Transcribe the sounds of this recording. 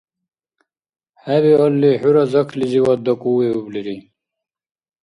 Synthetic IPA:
hæβiɔlːiħuɾɐzɐkʰliziwɐd̪ɐkʼuːweubliɾi

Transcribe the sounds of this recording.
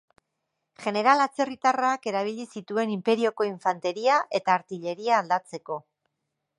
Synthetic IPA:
ʝe̞ne̞ɾalat͡se̞rit̪arake̞ɾaβ̞iʎisit̪ue̞nimpe̞ɾio̞ko̞iɱfant̪e̞ɾiaʔe̞t̪aːɾt̪iʎe̞ɾiaːld̪at͡se̞ko̞

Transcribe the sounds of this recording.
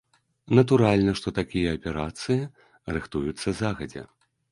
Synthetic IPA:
nɐt̪uɾalʲnɐʂt̪ɔt̪akʲijɐːpʲɛɾat̪sɨji | rɨxt̪ujut̪sːɐzaɣɐd͡zʲɛ̰

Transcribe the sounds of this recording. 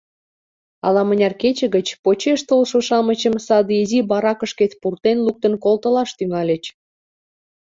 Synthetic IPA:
ɑlɑmənʲɑrket͡ɕə̆ɣət͡ɕpot͡ɕeʃt̪olʃoʃɑmət͡ɕəmsɑd̪izibɑɾɑkə̆ʃket̪purt̪enluk̚t̪ə̆nkolt̪əlɑʃt̪yŋɑlʲet͡ɕ

